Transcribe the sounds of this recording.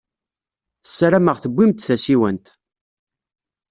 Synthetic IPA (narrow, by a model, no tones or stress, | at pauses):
θəsːɾæməʁθəbʷːimt̪θæsiwənt̪